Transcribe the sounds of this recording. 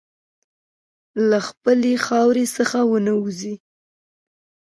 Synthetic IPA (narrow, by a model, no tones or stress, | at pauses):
laxpəlexɑwɾesəxawənəuzi